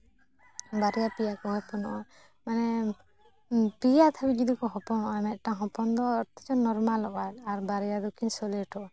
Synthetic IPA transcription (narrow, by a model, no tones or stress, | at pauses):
baɾijapijakɔɦɔpɔnɔʔɔj | manɛ | pijat̪ʰabid͡ʒid̪ikɔɦɔpɔnɔʔɔjmɛt̪̚ˀʈaɦɔ̃pɔnd̪ɔt̪ɛt͡ʃɔnɔɾmalɔʔaɾaɾbaɾijad̪ɔkʰinsɔleʈʰɔ